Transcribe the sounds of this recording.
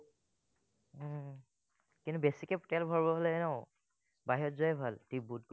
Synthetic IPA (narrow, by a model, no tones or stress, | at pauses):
kintubesikɛptɛlbʱɔɹbɔɦolɛɛnɛʊ | baɦiɔtzɔjɛbʱaltibudk